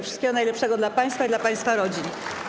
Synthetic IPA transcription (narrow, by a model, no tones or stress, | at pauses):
fʂɨ̥st̪kʲɛɡɔnajlɛpʂɛɡɔd̪lapaj̃st̪faid̪lapaj̃st̪faɾɔd͡ʑin